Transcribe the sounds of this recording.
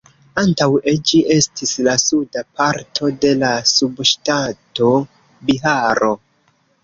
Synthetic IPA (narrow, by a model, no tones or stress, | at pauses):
antawed͡ʒiʔe̞stislasudapaɾtʰo̞de̞lasubʃtato̞ | biɦaɾo̞